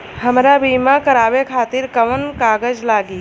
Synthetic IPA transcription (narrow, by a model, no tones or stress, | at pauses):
həmɾabiːmãkəɾaːʋekʰaːt̪iɾkəʋənkaːɡəd͡ʒlaːɡi